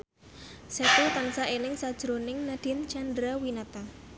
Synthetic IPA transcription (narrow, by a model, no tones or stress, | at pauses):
sɛk̪ut̪ansaʔenɪŋsad̥ʒ̥ɾonɪŋnad̥ɪ̤nt͡ʃandɾawinat̪a